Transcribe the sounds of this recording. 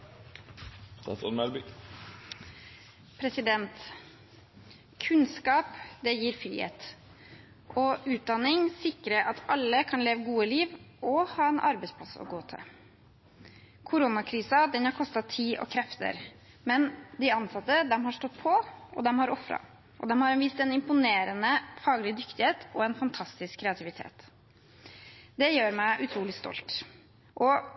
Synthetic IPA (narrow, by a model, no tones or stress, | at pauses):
ɛ̰t̪ɔnmɛlbi | pʰɾɛsɪd̪ɛnt̪ | kʰʉnskɑːpd̪ɛjiːɾfɾḭːhḛːt̪ | ʔɔʉːt̪̚d̪ɑnɪŋsɪkɾəʔɑt̪ɑlːəkʰɑnleːʋəɡuːəliːʋɔhɑːɛnʔɑɾbɛɪspʰlɑsɔ̰ɡoːt̪ʰɛ̰ | kʰʊɾʊnɑkʰɾiːsɑd̪ɛnhɑɾkʰɔst̪ɑt̪ʰiːʔɔ̰kʰɾɛft̪ə̰ɾ | mɛnd̪ɪɑnsɑt̪ːəd̪ɛmɦɑʂʈɔt̪ːpʰɔʔɔd̪ɛmhɑɾɔfɾɑ̰ | ʔɔ̰d̪ɛmhɑɾɛnʋist̪ɛnɪmpʊneːɾənəfɑːɡəlɪd̪ʏkt̪ɪheːt̪ʰɔɛnfɑnt̪ʰɑst̪ɪskʰːɾɛɑt̪ʰɪʋɪt̪ʰḛːt̪ | d̪ɛjøːɾmæɪʔʉt̪ʰɾuːlɪst̪ɔ̰lt̪ | ʔɔ